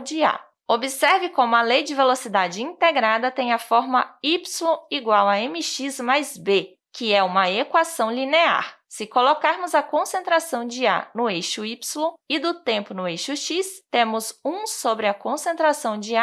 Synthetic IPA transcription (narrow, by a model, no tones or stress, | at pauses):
d͡ʒɪa̰ | obɪsɛɾvɪkõmʊɐlejd͡ʒɪvelosid̪ad͡ʒɪĩt̪eɡɾad̪ɐt̪ẽj̃ɐfɔɾmɐipslõiɡwawɐẽmɪʃizmajzbe | kɪɛũmɐekwasɐ̃w̃linea̰ɾ | sɪkolokaɾmʊzɐkõsẽnt̪ɾasɐ̃w̃d͡ʒɪa̰nʊejʃʊipslõɪd̪ʊt̪ẽmpʊnʊejʃʊʃist̪ẽmʊzũsobɾɪɐkõsẽnt̪ɾasɐ̃w̃d͡ʒɪa